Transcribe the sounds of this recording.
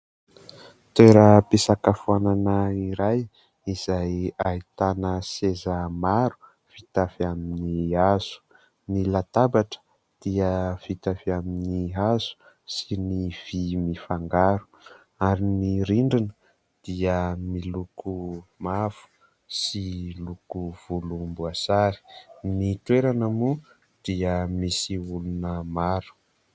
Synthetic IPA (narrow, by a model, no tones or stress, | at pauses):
t̪eɾəpesakafuananəiɾaj | iz̥ajait̪anəsezəmaɾu̥ | fit̪afiaminiaz̥u̥ | nilat̪abaʈ͡ʂə̥ | d̪̥iəv̥it̪afiaminiɦaz̥u̥ | siniv̥imifaŋɡaɾu̥ | aɾiniɾiɳɖ͡ʐinə | d̪̥iəmilukumafu̥ | silukuv̥ulumbuasaɾi̥nit̪weɾanamu | d̪̥iəmisiulunəmaɾu̥